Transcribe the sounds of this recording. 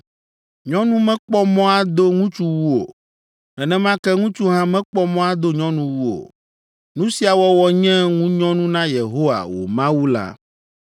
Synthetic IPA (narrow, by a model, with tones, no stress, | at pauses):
ɲɔ̃˦nũ˦mɛ̃˦k͡pɔ˦mɔ̃˦a˦d̪o˦ŋũ˦t͡ʃu˦wu˦o̰˨ | ɛ˨nɛ̃˦mã˦kɛ˦ŋũ˦t͡ʃu˦ɦã˦mɛ̃˦k͡pɔ˦mɔ̃˦a˦d̪o˦ɲɔ̃˦nũ˦wu˦o̰˨ | nũ˦si˦a˨wɔ˦wɔ˨ɲɛ̃˦ŋũ˦ɲɔ̃˦nũ˦nã˦je˨ɦo˦wa̰˨wo̰˨mã˦wu˦la̰˦